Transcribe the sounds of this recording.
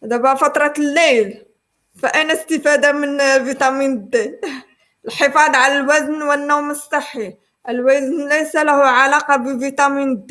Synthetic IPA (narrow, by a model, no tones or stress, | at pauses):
hæd̪æbæfɑt̪ɾˤɑlːæjl | fæʔæjnæst̪əfæd̪amənvit̪ˤɑminəd̪ːæ | əlħəfɑd̪ˤʕalælwæznwənːowməsˤːəħːi | ʔəlwæznlæjsælæhuʕalɑqɑbəvit̪ˤɑmind̪ː